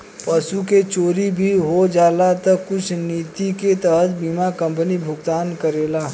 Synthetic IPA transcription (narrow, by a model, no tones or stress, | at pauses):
pɐsuket͡ʃoːɾibʱiɦod͡ʒaːlat̪ɐkʊt͡ʃʰniːt̪iket̪əɦət̪biːmakɐ̃mpənibʱʊɡt̪aːnkəɾeːlaː